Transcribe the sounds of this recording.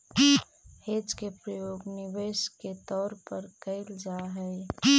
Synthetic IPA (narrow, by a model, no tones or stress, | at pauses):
heːd͡ʒkepɾəjoːɡnɪʋeːsket̪ɔːɾpəɾkəɪld͡ʒaɦɛ